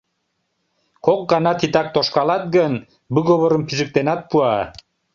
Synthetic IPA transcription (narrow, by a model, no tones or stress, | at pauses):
koq̚ɡɑnat̪ʰit̪ak̚t̪oʃkalˠat̪̚ɡən | bɨɡoβoɾɯmpizɯk̚t̪enat̪̚pua